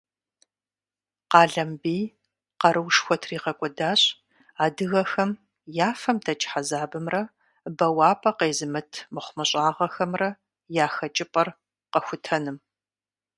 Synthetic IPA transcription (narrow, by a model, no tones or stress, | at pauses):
qɑːɮɐmbiː | qɐɾɨwʂxʷɔtʰriːqɐkʷʼɔdaːɕʼ | aːdɨɣɐxɐm | jaːfɐmtʰɐt͡ʃʼħazaːbɨmrɐ | bɐwɑːpʼɐqeːzɨmɨtʰmɨχʷmɐɕʼaːʁɐxɐmrɐ | jaːxɐt͡ʃʼɪpʼɐr | qɐxʷʊtʰɐnɨm